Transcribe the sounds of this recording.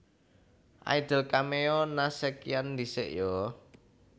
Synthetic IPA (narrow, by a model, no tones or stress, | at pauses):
ʔa̰id̪̥ə̤lkameɔnasɛkijand̪isɪ̰ʔjɔ